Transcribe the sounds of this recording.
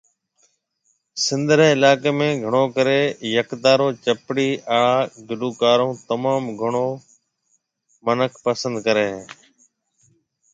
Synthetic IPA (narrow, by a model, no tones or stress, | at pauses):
sɪnd̪ɾeːɪlaːkeːmẽːɡʱəɳ̃oːkəɾeːjəkd̪aːɾoːt͡ʃəpɽiːaːɭaːɡɪɖuːkaːɾõːt̪əmaːmɡʱəɳoː | mənəkʰpəsə̃nd̪̚kəɾeːɦeː